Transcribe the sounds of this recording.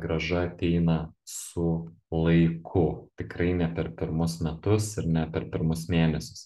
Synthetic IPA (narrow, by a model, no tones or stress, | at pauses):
ɡɾɐʒɐɐt̪ʲɛɪnɐsʊlˠɐɪkʰʊt̪ʲɪkɾɐɪnʲɛpʲɛɾpʲɪɾmʊsmʲɛt̪ʊsɪɾnʲɛpʲɛɾpʲɪɾmʊsmʲeːnʲɛsʲʊ̥s